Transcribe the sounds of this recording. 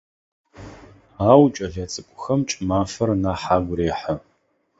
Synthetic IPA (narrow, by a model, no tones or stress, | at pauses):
aːwt͡ʃʼɐɮɐt͡sʼɨkʷʼʊxɐmt͡ʃʼmaːfɐrnaːħaːɡʷʊreːħə